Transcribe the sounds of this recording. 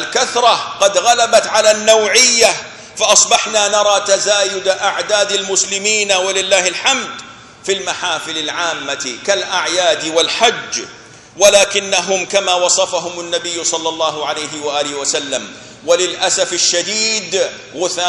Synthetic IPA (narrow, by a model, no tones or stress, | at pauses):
ʔalkaθɾˤɑqɑd̪ɣalabat̪ʕalanːawʕɪjːa | faʔɑsˤbɑħnanɑɾˤɑːt̪azaːjʊd̪ʔaʕd̪aːd̪almʊslɪmiːnawalɪlːaːhɪlħamd̪ | filmaħaːfɪlalʕaːmːakalʔaʕjaːd̪walħad͡ʒː | walaːkɪnːaɦʊmkamaːwɑsˤɑfaɦʊmanːabɪjːʊsˤɑlːɑlˤːɑːɦʊʕalajɦɪwaʔaːlɪhwasalːam | walɪlʔasafaʃːad̪iːd̪ | ɣʊθaː